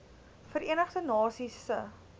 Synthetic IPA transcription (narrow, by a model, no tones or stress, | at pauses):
fəriənəχdənɑːsisə